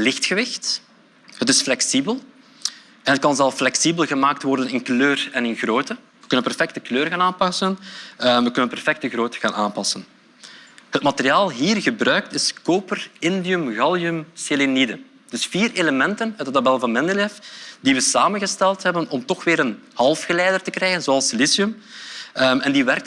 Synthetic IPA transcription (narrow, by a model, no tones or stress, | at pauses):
lɪxtxəʋɪxt | ɦətɪsflɛksibəlˠ | ɛnɦət̚kɑnzɛlˠflɛksibəlˠɣəmaːk̚tʋɔrdənɪnkløːrɛnɪnɣroːtə | ʋəkɵnənpɛrfɛk̚təkløːrɣaːnaːnpɑsənʋəkɵnənpɛrfɛk̚təɣɾoːtə̥ɣaːnaːnpɑsən | ɦət̚mɑteɾiaːlˠɦiːrɣəbrœɥk̚tɪskoːpərɪndiɵmɣɑlˠjɵmselenidə | d̥ɵsfiːɾeləmɛntənœːdətabɛlˠvɑnmɛndəlɛfdiʋəsaːmənɣəstɛlˠtɦɛbənɔmtɔxʋɪːɾən | hɑlˠfxəlɛːdərtəkrɛːɣənzoːɑlˠsɪlisiɵm | ɛndiʋɛrk̚t